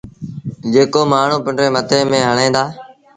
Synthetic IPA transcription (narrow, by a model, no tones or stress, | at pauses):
d͡ʒeːkoːmaːɳ̤ũːpəɳɖɾeːmət̪ʰẽːmẽːɦəɳẽːnd̪aː